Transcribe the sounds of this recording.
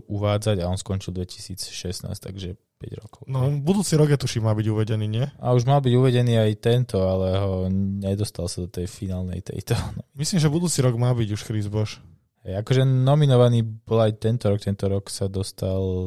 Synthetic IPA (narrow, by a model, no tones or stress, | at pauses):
ʔuʋaːd͡zaɟaɔnskɔnt͡ʃild̪ʋɛci̥siːt͡sʃɛsna̰ːst̪a̰ɡʒɛ | pɛ̰ɟɾɔ̰kɔʊnɔbud̪uːt͡siɾɔɡjɛt̪uʃimaːbiɟuʋɛɟɛniːɲɪɛa̰uʒmalbiɟuʋɛɟɛniːajt̪ɛnt̪ɔalɛɦɔɲɛd̪ɔst̪alsad̪ɔt̪ɛjfinaːlnɛ̰jt̪ɛ̰jt̪ɔnmislimʒɛbud̪uːt͡siɾɔɡmaːbiɟuʃxɾizbɔʃ | hɛjakɔʒɛnɔminɔʋaniːbɔlajt̪ɛnt̪ɔɾɔk̚t̪ɛnt̪ɔɾɔksad̪ɔst̪ʰal